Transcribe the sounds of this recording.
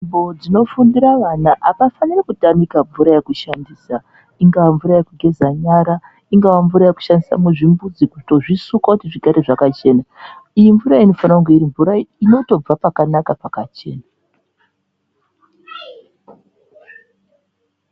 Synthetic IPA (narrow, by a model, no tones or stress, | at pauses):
imbo̞d͡zino̞fundiɾaʋanaʔaʋafanirakutamikaɱvuɾajekuʃandiːsa | iŋɡawaɱvuɾajekuɡʱe̞zaɲaɾa | iŋɡawaɱvuɾajeku̥ʃandisa̰muʐimbud͡zikuto̞ʐisukwakutiʐiɡʱaɾe̞ʐakat͡ʃe̞naijiɱvuɾaino̞fanauŋɡeiɾiɱvuɾaino̞to̞b͡vapakanakapakat͡ʃe̞̰ːna